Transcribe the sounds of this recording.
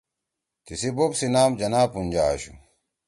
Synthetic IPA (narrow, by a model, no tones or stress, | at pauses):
t̪isibobsinaːmd͡ʑɐnaːpund͡ʑaːɕṵ